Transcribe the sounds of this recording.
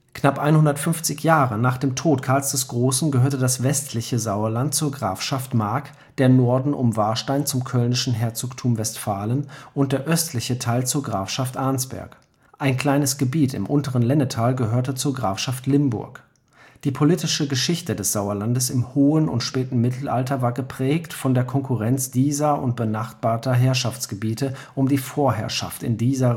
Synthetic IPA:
knapʔaɪnhʊndɐtfʏnft͡sɪçjaːʁənaːχd̥eːmtʰoːtkʰaɐlsd̥ɛsɡ̥ʁoːsn̩ɡəɦøːɐtədasv̥ɛstʰlɪçəzaʊɐlant̚t͡suːɐɡʁaːfʃaftmaɐk | d̥eːɐnɔɐdn̩ʔʊ̰mvaɐʃtaɪnt͡sʊmkʰœlnɪʃn̩ɦɛɐt͡soːktʰuːmvɛstfaːlənʔʊnt̚d̥eːɐʔœstʰlɪçətʰaɪlt͡suːɐɡʁaːfʃaftʔaɐnsb̥ɛ̰ɐk | ʔaɪnkl̥aɪnəsɡ̥əbiːtɪ̰mʔʊntəʁənlɛnətʰaːlɡəɦøːɐtət͡suːɐɡʁaːfʃaftlɪmbʊ̰ɐk | d̥iːpʰoliːtɪʃəɡəʃɪçtədɛsz̥aʊɐlandəsɪmhoːənʊ̰ntʃpɛːtn̩mɪtʰl̩ʔa̰ltɐvaːɐɡəpʁ̥ɛːktfɔndeːɐkʰɔŋkʰuʁɛnt͡sd̥iːzɐʔʊ̰nt̚b̥ənaχtb̥aːɐtɐɦɛɐʃaft͡sɡ̥əbiːtəʔʊmdiːfoːɐɦɛ̰ɐʃa̰ftɪ̰ndiːzɐ

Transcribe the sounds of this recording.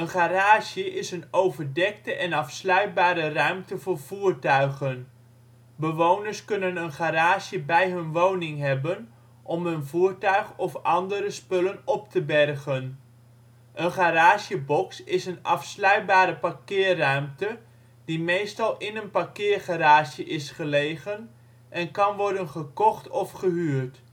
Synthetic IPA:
ənχaːraːʃəʔɪsənowvəɹdɛk̚təʔɛnɑfslœɥt̚baːɾərœɥmtəvʊːɹv̥uːɹtœɥχən | bəʋownəɹskɵnənənχaɾaːʒəbɛjɦɵnʋownɪŋɦɛbən | ʔɔmɦənvuːɹtœɥχɔfɑndəɾəspɵlənɔp̚təbɛrχən | ʔənχaɾaːʃəbɔksɪsənɑfslœɥt̚baːɾəpakɪːrœɥmtə | dimejstɑlˠɪnənpakɪːrχaɾaːʃəʔɪsχəlejχən | ʔɛnkɑnʋɔɹdənχəkɔχtɔfχəɦyːɹt

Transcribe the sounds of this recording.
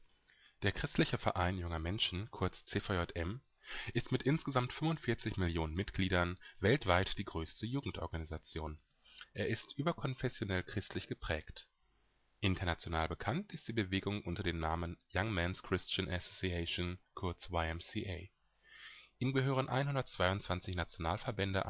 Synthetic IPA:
d̥eːɐkʁ̥ɪstʰlɪçəfɛɐʔaɪnjʊŋɐmɛnʃn̩kʰʊɐt͡st͡seːfaɔtʔɛm | ʔɪstmɪtʔɪnsɡ̥əzamtfʏmvʊntfɪɐt͡sɪçmɪljoːnənmɪtɡ̥liːdɐnvɛltv̥aɪtd̥iːɡʁøːstʰəjuːɡŋ̩tʔɔ̰ɐɡanizat͡sjoːn | ʔeːɐʔɪstʔyːbɐkʰɔnfɛsjonɛlkʁ̥ɪstlɪçɡ̥əpʁ̥ɛːkt | ʔɪntʰɐnat͡sjonaːlbəkʰantɪstd̥iːbəveːɡʊŋʔʊntɐdeːmnaːmənjaŋmɛnskʁ̥ɪst͡ʃənʔɛsosiɛʃonkʰʊɐt͡swaɪɛmsiʔeɪ | ʔiːmɡəɦøːʁənʔa̰ɪnɦʊndɐtt͡sv̥aɪʊntt͡sv̥ant͡sɪçnat͡sjonaːlfɛɐbɛndə̰ʔa̰

